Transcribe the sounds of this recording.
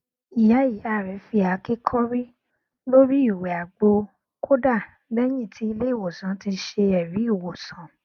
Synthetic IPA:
i˨ja˨˦ji˨˦a˧˨ɾɛ˨˦fi˧a˨˦ke˦kʰɔ˦ɾi˦ | lo˦ɾi˦i˦˨wɛ˨a˨ɡ͡bo˧ | kʰo˦da˦˨ | bɛ˦j̃ĩ˦˨tʰi˨˧˦i˧le˦i˦˨wo˨sã˨˦ti˧ʃe˧ɛ˨ɾi˨˦i˦˨wo˨sã˨˦

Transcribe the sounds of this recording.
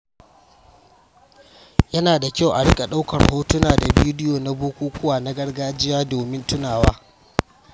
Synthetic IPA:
jɐ˦naː˨da˨kʲa˦˨wʔa˨ɽɪ˦kʼa˨ɗa˦wkɐ̰˨rhoː˦tʊ˦naː˨da˨bi˦dɪ˦joː˨na˦boː˦kʷuː˦kʷʊ˦waː˨na˦ɡɐ˦rɡaː˦d͡ʒɪ˦jaː˦doː˨mɪ˦ntʊ˦naː˨waː˦

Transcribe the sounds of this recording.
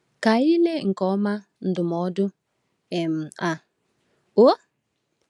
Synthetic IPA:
ka˨i˦le˦ŋ̩˨kɔ˦ma˦ | n̩˨dʊ˨m˨ɔ˨˦dʊ˦ | e˨m̩˨a˨ | o˦

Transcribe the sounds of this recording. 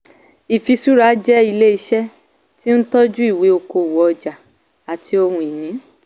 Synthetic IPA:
i˨fi˧su˦ɾa˦d͡ʒɛ˦i˧le˦i˧ʃɛ˦ | ti˦n̩˦tɔ˦d͡ʒu˦i˦˨we˨˦o˧ko˧˨wɔ˨˦ɔ˧d͡ʒa˨ | a˨tʰi˧o˧hũ˧i˨nĩ˨˦

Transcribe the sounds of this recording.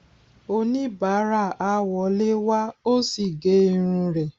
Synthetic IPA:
o˧nĩ˦ba˨˦ɾa˦˨ʔa˦wɔ˨˦le˦wa˦o˦si˨ɡe˦i˧˦ɾ̃ũ˧ɾɛ˨

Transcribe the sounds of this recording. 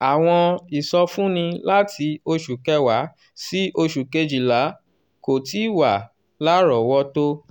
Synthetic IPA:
a˨w̃ɔ̃˧i˨sɔ˧fũ˦nĩ˧la˦ti˧o˧ʃu˨kɛ˦wa˨˦ | si˦ʔo˧ʃu˨ke˧d͡ʒi˨la˨˦ | ko˨ti˦wa˨ | la˦ɾɔ˨wɔ˦to˦

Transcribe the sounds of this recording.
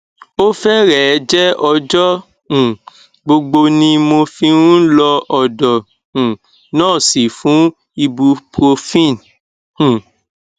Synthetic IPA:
o˦fɛ˦ɾɛ˨˦d͡ʒɛ˦ɔ˧d͡ʒɔ˦ | ũ˨ | ɡ͡bo˧ɡ͡bo˧nĩ˧mo˧fĩ˧ũ˦lɔ˧ʔɔ˨dɔ˨ | ũ˨ | nãː˦˨si˨fũ˨˦ | i˧bu˧pɾo˧fĩ˦˨n | ũ˨

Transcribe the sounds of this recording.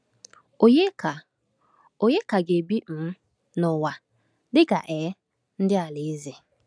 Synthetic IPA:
o˨je˦ka˨ | o˨ɲe˦ka˨ɡe˨bi˦m̩˨˦ | nʊ˨wa˨ | dɪ˦ɡa˨ʔɛ˨˦ | n̩˦dɪ˦a˨le˨e˦ze˨

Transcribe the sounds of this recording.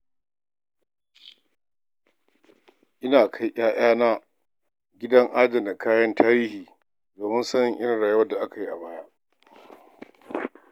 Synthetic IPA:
ʔɪ˦naː˨kʰa˦jʔaː˦j̰aː˦naː˦ | ɡʲɪ˦dɐ˦ŋʔa˦dɐ˨da˨kʰaː˦jɐ˦ntʰaː˦ɾiː˦hiː˨ | doː˨mɪ˦nsɐ˦nɪ˨ŋʔɪ˦ɾɪ˨ɽaː˨ju˦wɐ˦da˨ʔa˦ka˨ji˦ʔa˨baː˦ja˦ʔ

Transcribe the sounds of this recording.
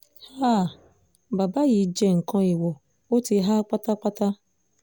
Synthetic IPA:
ha˦˨ | ba˨ba˦ji˨˦d͡ʒɛ˦ŋ̩˨kɔ̃˧˦i˨wɔ˨ | o˦ti˧ɦa˦k͡pa˦ta˦k͡pa˦ta˦

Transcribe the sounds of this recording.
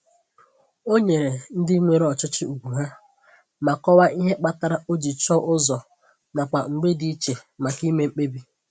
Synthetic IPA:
o˦ɲe˨ɾe˨n̩˦dɪ˦ŋʷe˨ɾe˦ɔ˨t͡ʃɪ˦t͡ʃɪ˦u˨ɡʷu˨ɦa˦ | ma˨kɔ˦wa˦ʔi˦ɦe˦k͡pa˦ta˦ɾa˦ʔo˦d͡ʒi˨t͡ʃɔ˦ʔʊ˦zɔ˨ | na˨kʷa˨ŋ̩˨ɡ͡be˦di˦i˦t͡ʃe˨ma˨ki˦me˦ŋ͡m̩˦k͡pe˦bi˦

